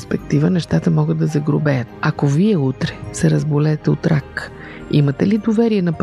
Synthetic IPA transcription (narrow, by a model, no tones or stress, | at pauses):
spɛk̚t̪ivənɛʃt̪at̪əmɔɡət̪d̪ɐzɐɡɾobɛjət̪ɐkoviɛut̪ɾɛ̥sɛɾɐzbolɛːt̪ɛot̪ɾak | imət̪ɛlid̪ovɛɾiɛnɐp